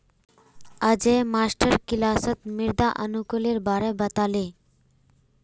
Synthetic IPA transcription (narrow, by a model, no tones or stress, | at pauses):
əd͡ʑemasʈəɾkilaːsət̪miɾd̪aʔənukoleɾbaɾebət̪ale